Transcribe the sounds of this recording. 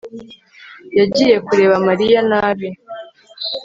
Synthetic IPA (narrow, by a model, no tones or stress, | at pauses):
jaɟiːje̞kuɾe̞ːβamaɾijanaːβe